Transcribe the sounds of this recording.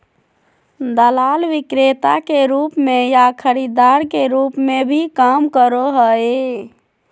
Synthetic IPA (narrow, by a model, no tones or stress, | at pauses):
d̪əlalʋikɾet̪akeɾupmejakʰəɾid̪aɾkeɾupmebʱikamkəɾoɦəe